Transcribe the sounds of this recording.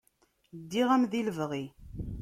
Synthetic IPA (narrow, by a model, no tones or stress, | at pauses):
d̪ːiʁæmðiləvʁi